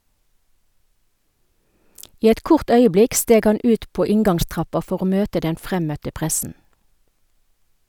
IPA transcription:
ˈiː ˈɛt ˈkʊʁt ˈœʏəˌblɪk ˈsteːɡ ˈhɑn ˈʉːt ˈpoː ˈɪŋɡɑŋˌstʁɑpɑ ˈfɔʁ ˈoː ˈmøːtə ˈdɛn ˈfʁɛmœtə ˈpʁɛsn̩

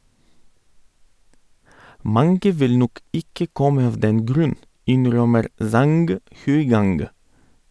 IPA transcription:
ˈmɑŋɡə ˈʋɪl ˈnɔk ˈɪkə ˈkɔmə ˈɑʋ ˈdɛn ˈɡɾʉn ˈɪnˌɾœməɾ ˈzɑŋɡ hʉɪˈɡɑŋɡ

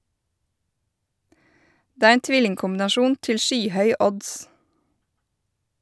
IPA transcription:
ˈdeː ˈæːɾ ˈeːn ˈtʋɪlɪŋkʊmbɪnɑˌʃuːn ˈtɪl ˈʃyːˌhœʏ ˈɔds

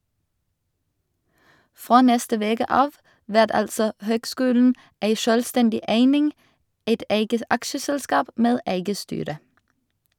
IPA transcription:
ˈfʁoː ˈnɛstə ˈʋeːkə ˈɑːʋ ˈʋæʁt ˈɑlsɔ ˈhøːɡˌskʉːln̩ ˈeɪ ˈʃœlˌstɛndɪ ˈeɪnɪŋ ˈeɪt ˈeɪɡə ˈɑkʃəˌsɛlˌskɑːp ˈmeːd ˈæɪɡə ˈstyːɾə

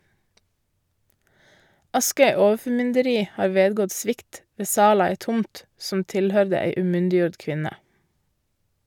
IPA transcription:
ˈɑskœʏ ˈoːəfɔˌmʏndəɾiː ˈhɑːɾ ˈʋeːdɡɔt ˈsʋɪkt ˈʋeː ˈsɑːl ˈɑː ˈeːt ˈtʊmt sm̩ ˈtɪlˌhœɾdə ˈæɪ ʉːˈmʏndɪˌjuːɖ ˈkʋɪnə

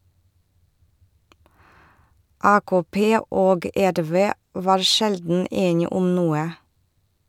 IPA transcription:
ˈɑːkoːˌpeː ˈoːɡ ˈæɾˌʋeː ˈʋɑːɾ ˈʃɛldn̩ ˈeːnɪ ˈʊm ˈnuːə

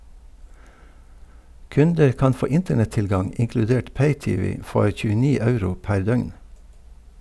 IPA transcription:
ˈkʉndəɾ ˈkɑn ˈfoː ˈɪntəɳɛtˌtɪlɡɑŋ ɪŋklʉˈdeːʈ ˈpeɪˌtiːˌʋiː ˈfɔɾ çʉːəˈniː ˈɑʉɾʊ ˈpæɾ ˈdœʏŋ

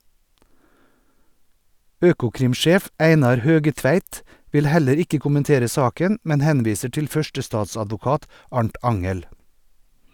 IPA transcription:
ˈøːkʊˌkɾɪmˌʃeːf ˈæɪnɑɾ ˈhøːɡəˌtʋæɪt ˈʋɪl ˈhæləɾ ˈɪkə kʊmənˈteːɾə ˈsɑːkən ˈmɛn ˈhɛnˌʋiːsə ˈʈɪl ˈfœʃʈəˌstɑːsɑdʋʊˌkɑːt ˈɑɳʈ ˈɑŋəl

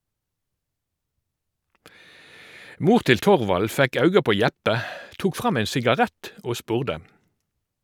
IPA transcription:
ˈmuːʁ ˈtɪl ˈtɔʁʋɑl ˈfɛk ˈɑʉɡɑ ˈpoː ˈjɛpə ˈtuːk ˈfʁɑm ˈɛn sɪɡɑˈʁɛt ˈoː ˈspʉːʁdə

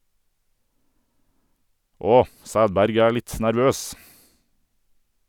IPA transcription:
ˈɔ ˈsæːdˌbæɾɡ ˈæː ˈlɪt næɾˈʋøːs

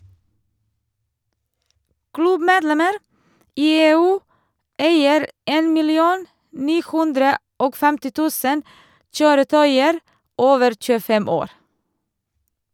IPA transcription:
ˈklʉbmeːdˌlɛməɾ ˈiː ˈeːˌʉː ˈʔæɪəɾ ˈeːn mɪlɪˈuːn ˈniː ˈhʉndɾə ˈoːɡ ˈfɛmtɪ ˈtʉːsən ˈçøːɾəˌtœʏəɾ ˈoːʋəɾ c͡çʉːəˈfɛm ˈoːɾ

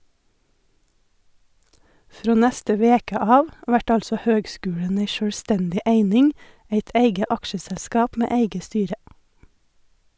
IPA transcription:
ˈfɾoː ˈnɛstə ˈʋeːkə ˈɑːʋ ˈʋæʈ ˈɑlsɔ ˈhøːɡˌskʉːɽən ˈæɪ ʃœɽˈstɛndɪ ˈæɪnɪŋ ˈæɪt ˈæɪɡə ˈɑkʃəsɛlˌskɑːp ˈmeː ˈæɪɡə ˈstyːɾə

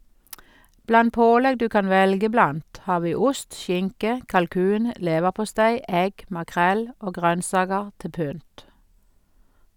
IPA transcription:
ˈblɑn ˈpoːlɛɡ ˈdʉː ˈkɑn ˈʋɛlɡə ˈblɑnt ˈhɑː ˈʋiː ˈʊst ˈʃɪŋkə kɑlˈkʉːn ə ˈleːʋəʁpʊˌstæɪ ˈɛɡ mɑˈkʁɛl ˈoː ˈɡʁœnsɑːɡəʁ ˈtɪ ˈpʏnt

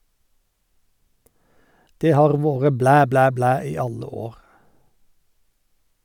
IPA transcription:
ˈdeː ˈhɑːʁ ˈʋoːʁə ˈblæː ˈblæː ˈblæː ˈiː ˈɑlə ˈoːʁ

